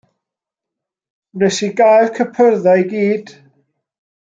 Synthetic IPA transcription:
mɛsiɡajlˠkʰəpʰərðajɡiːd̥

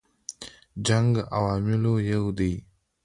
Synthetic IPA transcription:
d͡ʑaŋɡəʔawaːmilojəwd̪ij

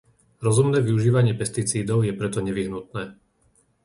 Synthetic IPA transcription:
ɾɔzumnɛːʋiuʒiːʋaɲɪɛpɛst̪it͡siːd̪ɔʊjɛpɾɛt̪ɔɲɛʋiɦnut̪̚nɛː

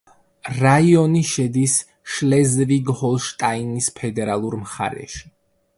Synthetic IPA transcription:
ɾaiɔniʃɛd̪is | ʃlɛzviɡhɔlˠʃt̪ʼainispʰɛd̪ɛɾalˠuɾmχa̰ɾɛ̰ʃi̥

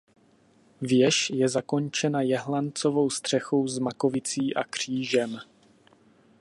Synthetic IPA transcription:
vjɛʃjɛzako̞nt͡ʃɛnajɛɦlant͡so̞vo̞wst̪r̥ɛxo̞wzmako̞vɪt͡siːʔakr̝̥iːʒɛm

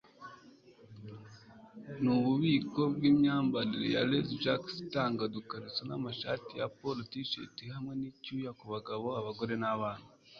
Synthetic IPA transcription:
nuβuβiːko̞b̚ɡiːmɲaːmbaɾiɾḛja̰lezʒakstaːŋɡadukaɾit͡sena̰maʃa̰ːtijapolotiʃḛtihamŋe̞nicuːjakuβaɡaβo̞aβaɡo̞ɾe̞naβaːn̥hu

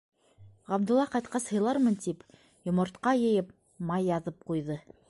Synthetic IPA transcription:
ʁɑb̚d̪ulˠːɑqɑjt̪̚qɑshɤ̆jlˠɑɾmɤnt̪ip | jŏmŏɾt̪qɑjɤ̆jɤp̚ | mɑjːɑðɤp̚qujðɤ

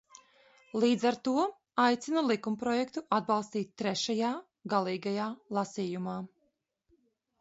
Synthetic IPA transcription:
lˠiːd̪zaɾt̪uɔ | ajt̪sinulˠikumpɾɔjɛkt̪uʔad̪̚bɑlˠst̪iːt̪̚ʲt̪ːɾɛʃajaː | ɡalˠiːɡajaːlˠasiːjumaː

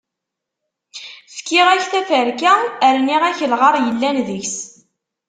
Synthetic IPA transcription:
fkːiʁæçθæfəɾkæəɾniʁæçəlʁɑɾˤjəlːænðiçs

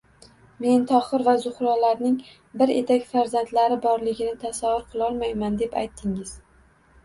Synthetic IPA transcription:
me̞nt̪ʰɒχɨɾvazʊχɾɒlaɾnɪŋ | bɪɾet̪ʰakʲfaɾzant̪laɾɪbɒɾlɪɡʲɪnɪt̪ʰasavʊɾqʰɨlˠɒlˠmajmand̪e̞pa̰jt̪ʰːɪŋɪz̥

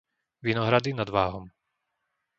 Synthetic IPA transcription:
ʋinɔɦɾad̪inad̪ʋaːɦɔm

